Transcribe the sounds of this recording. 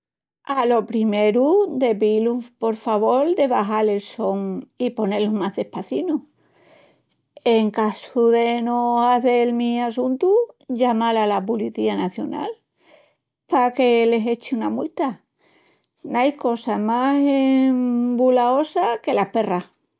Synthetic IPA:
alo̞pɾime̞ɾud̪e̞pilupo̞ɾfaβo̞ɾd̪e̞βaɦale̞lso̞ŋipo̞ne̞lomaɦðe̞hpaθinu | eŋkasuðe̞nosaθe̞lmiasunt̪uʎamalalapuliθianaθjo̞̰na̰l | pake̞le̞se̞t͡ʃiunamult̪a | najko̞samasembulao̞sake̞lahpe̞ra

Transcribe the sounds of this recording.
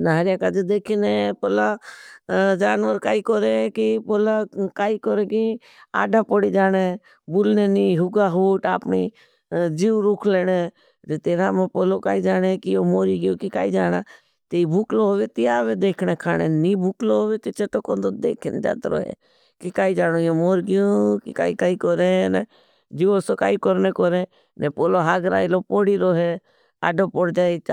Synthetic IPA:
naɦaɾɪjaːkaːd͡ʒeːd̪eːkʰinepoːlaː | d͡ʒaːnʋəɾkaːiːkoɾekipoːlaːkaːiːkoɾeːki | a̰ːɖaːpoɽiːd͡ʒaːneː | bʊlneːniːɦʊɡaːɦoːʈaːpɳiː | d͡ʒiːʋɾʊkʰleːne | t̪et̪eːɾaːmẽpoːloːkaːid͡ʒaːnekiomoːɾiːɡɪjoːkika̰ːiːd͡ʒaːna̰ː | t̪eibʱʊkloɦoːʋet̪ɪjaːʋed̪eːkʰneːkʰaːɽeniːbʱʊkloɦoːʋet̪et͡ʃet̪okoːnd̪od̪ḛːkʰɪnd͡ʒa̰ːt̪ɾo̰ːɦḛ | kikaːid͡ʒaːñojoːmoːɾɡɪjokḭka̰ːikaːikɔɾene | d͡ʒiosoka̰ːikɔɾnekɔɾe | nepoːloɦaːɡɾa̰ːilopoːɽiɾoːɦe | a̰ːɖoːpɔɽd͡ʒaːit͡ʃː

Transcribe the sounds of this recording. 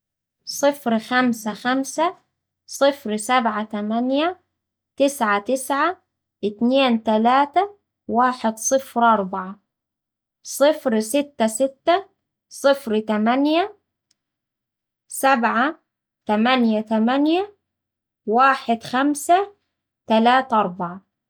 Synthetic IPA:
sˤɨfɾxamsaxamsa | sˤɨfɾsabʕat̪amanja | t̪ɪsʕat̪ɪsʕa | ʔɪt̪neːnt̪alaːt̪a | waːħɪd̪sˤɨfɾʔɑɾˤbaʕa | sˤɨfɾsɪt̪ːasɪt̪ːa | sˤɨfɾt̪amanja | sabʕa | t̪amanjat̪amanja | waːħɪd̪xamsa | t̪alaːt̪ʔɑɾˤbaʕa

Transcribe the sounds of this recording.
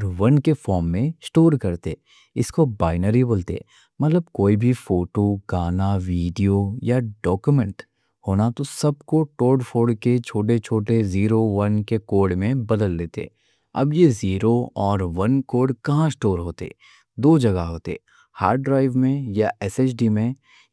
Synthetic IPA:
ɔɾʋɐnkefɔːɾmːẽsʈoːɾkɐɾt̪ḛː | ɪskobaːɪnəɾiboːlt̪ḛ | mɐt̪ləb̚koːibʱifoːʈoɡaːnaʋiːɖijojaɖɔːkjumɛ̃ɳʈ | hoːnat̪osɐb̚koʈoːɖfʰoːɖket͡ʃʰoːʈ̬et͡ʃʰoːʈeziːɾoʋɐnkekoːɾɖmẽbɐd̪əlːeːt̪ḛː | ɐ̰bjeziːɾoɔːɾʋɐnkoːɾɖkɐɦãsʈoːɾɦoːt̪ḛː | d̪oːd͡ʒɐɡaɦoːt̪ḛː | haːɾɖɾaːɪʋmẽjaɛseːt͡ʃɖimẽ

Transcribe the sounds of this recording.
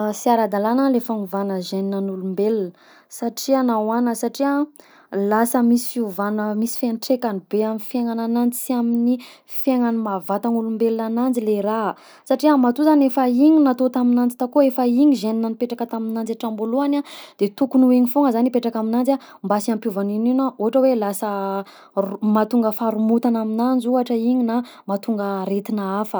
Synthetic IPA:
siaɾad̪alanalefanuvanəʒeninanulumbelinə | saʈ͡ʂianawanəsaʈ͡ʂia | lasəmisi̥fiuvanəmisi̥fenʈ͡ʂekanibeaminfjeŋananant͡siamini | fjeŋanimavat̪anulumbelinananileɾa | saʈ͡ʂiamat̪uzanefaiɲinat̪ot̪aminand͡zit̪akoefaiɲizeninanipeʈ͡ʂakət̪aminand͡zaʈ͡ʂamboluanad̪̥et̪ukunuiɲifoŋəzanipeʈ͡ʂakaminand͡za | mbasiampjuvanininaoɦaʈ͡ʂəwelasə | mat̪uŋɡəfaɾumut̪anaminand͡zuaʈ͡ʂəiɲina | mat̪uŋɡəɾet̪inaafə

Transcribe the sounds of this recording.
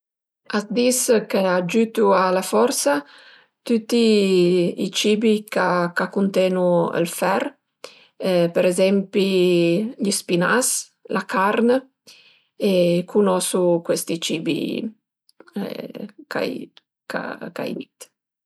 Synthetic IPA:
asd̪iskead͡ʒyt̪ualafɔɾsa | t̪ut̪ːi | it͡ʃiːbikakakːunt̪ɛnuə̰lfɛr | peɾɛzɛmpi | ʎispinas | lʔakaɾnə | ekʰunɔsukwest̪it͡ʃiːbḭ | kʰa̰j | ka̰ka̰jd̪it̪

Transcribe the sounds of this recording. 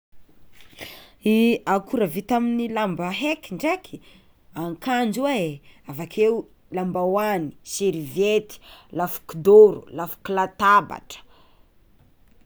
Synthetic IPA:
iakuɾəvit̪aminilambəɦekiɳɖ͡ʐekʰi | aŋkand͡ʒuaeavakʰewu | lambawani̥siɾivet̪i̥lafu̥kid̪oɾṵlafu̥kilat̪aba̰ʈ͡ʂə̥

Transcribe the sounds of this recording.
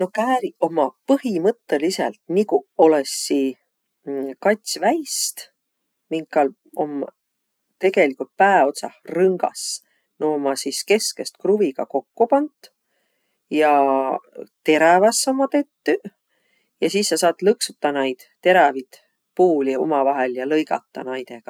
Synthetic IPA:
no̞kæːɾio̞mɑpɤhimɤt̪ːelisḛlt̪nikuo̞lesːi | kɑt̪ʲsʲvæjst̪ | miŋkːɑl | o̰m | t̪e̞ɡ̥e̞likult̪̚pæːeo̞t̪sɑhrɤŋɡ̥ɑ̰s | noːmɑsiske̞ske̞st̪̚kruviɡ̥ɑ̰ko̞kːupɑnt̪ | jɑ | t̪e̞ɾɑvɑsːomːɑt̪e̞t̪ːy | jɑsisːɑsɑːt̪lɤksut̪ːɑnɑjd̪̥t̪ːe̞ɾɑvit̪ | puːlio̞̰mɑvɑɦeljɑlɤjɡ̥ɑ̰t̪ˑːɑ̰nɑjt̪e̞ɡ̥ɑ

